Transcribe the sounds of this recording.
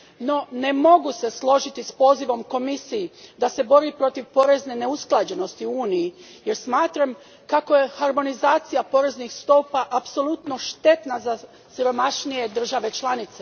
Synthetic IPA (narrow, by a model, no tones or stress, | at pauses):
no̞ne̞mo̞ɡuse̞slˠo̞ʒit̪ispo̞ːziʋo̞mko̞misijid̪ase̞bo̞ɾipɾo̞t̪iʋpo̞ːɾe̞zne̞ne̞usklˠad͡ʒe̞no̞st̪iuuːniji | je̞ɾsmaːt̪ɾam | kako̞je̞haɾmo̞nizaːt̪sijapo̞ːɾe̞znixst̪o̞ːpaʔapso̞lut̪no̞ʃt̪e̞t̪naza | siɾo̞maʃnije̞d̪r̩ʒaʋe̞t͡ʃlˠanit̪se